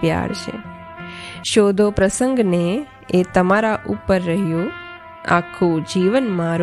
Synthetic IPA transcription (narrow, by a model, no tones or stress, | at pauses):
pja̰ɾt͡ʃʰḛ | ʃod̪ʱopɾəsəŋɡne | et̪əmaɾaʔupəɾːəɦjũ | a̰kʰũd͡ʒiʋənmãɾ